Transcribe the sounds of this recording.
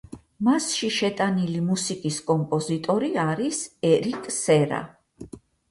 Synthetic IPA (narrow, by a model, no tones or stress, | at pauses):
masʃiʃɛt̪ʼanilimusikʼiskʼɔmpʼɔzit̪ʼɔɾiaɾisɛɾikʼsɛɾa̰